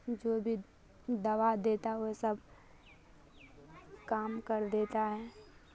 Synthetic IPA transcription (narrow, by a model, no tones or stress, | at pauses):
d͡ʒoːbʱi | d̪ɐʋad̪eːt̪aɦɛosəbʱ | kaːmkəɾd̪eːt̪aɦɛː